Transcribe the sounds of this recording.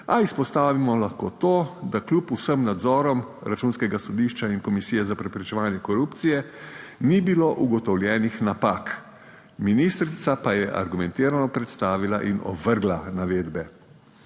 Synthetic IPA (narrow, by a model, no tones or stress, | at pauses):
aispɔst̪aːʋimɔlaxkoːt̪oːd̪aklupusəmnad̪zɔːɾɔmɾat͡ʃuːnskɛɡasɔd̪iːʃt͡ʃaiŋkɔmisiːjɛzapɾɛpɾɛt͡ʃɛʋaːnjɛkɔɾupt̪sijɛnibiloʔuɡɔt̪ɔwlʲjɛːnixnapak | minist̪ɾit̪sapajɛʔa̰ɾɡumɛnt̪iːɾanɔpɾɛt̪st̪aːʋilaʔinɔ̰bʋəɾɡlanaʋeːd̪bɛ